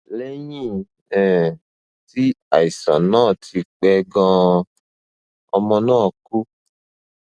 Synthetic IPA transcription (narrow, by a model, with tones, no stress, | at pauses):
lɛ˦ɲĩ˦˨ | ɛ̃˨ | ti˦a̰˨i˨sɔ̰˨nɔ̃ː˦˨tʰi˧k͡pɛ˧ɡɔ̃˧˦ | ɔ˧mɔ̃˧nãː˦˨ku˦